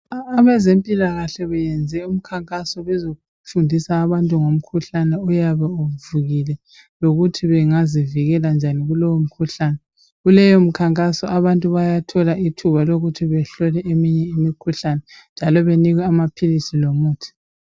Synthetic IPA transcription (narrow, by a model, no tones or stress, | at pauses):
βɛzempʼilaɣaɬɛβɛjɛnd͡zʱɛum̩kʰaŋkʼasɔβɛzoɣu | fundʱisaːβantʼuŋom̩kʰuɬanɛɔjaβɛuvuɣilɛ | loɣutʰiβɛŋaziviɣɛland͡ʒʱaniɣulɔwom̩kʰuɬaːnɛ | ɣulɛjɔm̩kʰaŋkʼasɔʔaβantʼuβajatʰɔlaʔitʰuβaloɣutʰiβɛɬɔlɛʔemiɲɛimikʰuɬanɛ | nd͡ʒʱalɔβeniɣwɛamapʰilisilomuːtʰi̥